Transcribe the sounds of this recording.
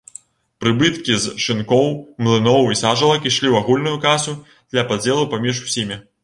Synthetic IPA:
pɾɨbɨt̪kʲizʂɨnkɔwmlˠɨnɔwisaʐɐlˠɐkiʂlʲiwaɣulʲnujukasʲu | d̪̥lʲɐpad͡zʲɛlˠupamʲiʂu̥sʲimʲi

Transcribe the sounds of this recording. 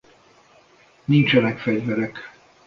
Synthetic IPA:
nint͡ʃɛnɛkfɛɟvɛɾɛk

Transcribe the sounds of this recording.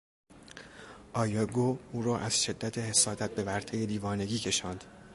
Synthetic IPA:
ʔɒːjɒɡoːuːɾɒːʔæz̥ʃe̞d̪ːæt̪ʰehe̞sɒːd̪æt̪̚be̞væɾt̪ʰe̞jed̪iːvɒːne̞ɡiːcʰe̞ʃɒːnd̪̥

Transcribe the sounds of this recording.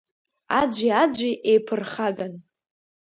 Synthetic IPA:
a̰d͡ʒʷiad͡ʒʷiʔejpʰɨrχaɡan

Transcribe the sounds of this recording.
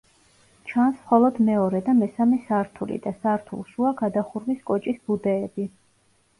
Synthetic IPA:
t͡ʃʰansmχɔlˠɔd̪mɛɔɾɛd̪amɛsamɛsaɾt̪ʰulḭd̪asaɾt̪ʰṵlˠʃuaɡad̪aχuɾwiskʼɔt͡ʃʼisbud̪ɛːbi

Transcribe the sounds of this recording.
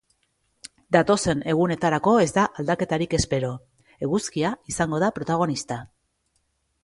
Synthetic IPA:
d̪at̪o̞se̞ne̞ɣ̞une̞t̪aɾako̞e̞zd̪aʔald̪ake̞t̪aɾike̞spe̞ɾo̞ | eɣuskiaisaŋɡo̞ð̞apɾo̞t̪aɣ̞o̞nist̪a

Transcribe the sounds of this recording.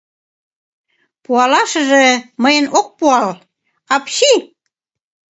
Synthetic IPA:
puɑlɑʃə̆ʒĕməjənok̚puɑl | ɑpɕi

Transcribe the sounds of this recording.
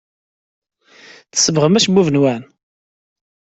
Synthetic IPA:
θə̥səvʁəmæʃbuvənwæn

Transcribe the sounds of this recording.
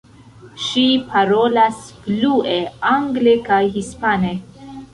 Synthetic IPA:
ʃipʰaɾolasblueaŋɡlekajɦispane

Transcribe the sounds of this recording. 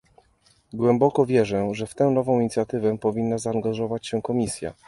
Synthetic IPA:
ɡwɛmbɔkɔvʲjɛʐɛʐɛft̪ɛ̃w̃nɔvɔ̃w̃iɲit̪sʲjat̪ɘvɛpɔvʲinːazaːŋɡaʐɔvat͡ɕɕɛkɔmʲisʲja̰

